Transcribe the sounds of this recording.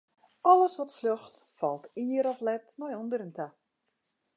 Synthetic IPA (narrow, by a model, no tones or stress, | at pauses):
ɔləsʋɔtfløxtfɔlˠtiəəɾɔflɛtnɔjɔndəɾəntʰa